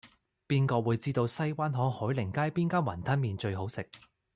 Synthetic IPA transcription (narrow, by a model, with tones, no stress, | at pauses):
piː˥nkɔː˧wuː˨˧jt͡siː˥t̪o˧wsɐ˥jwaː˥nɦɔː˨˥ŋhɔː˨˥jlɪ˨˩ŋkaː˥jpiː˥nkaː˥nwɐ˨˩nt̪ʰɐ˥nmiː˨nt͡ʃɵ˧ɥɦo˨˥wsɪ˨k̚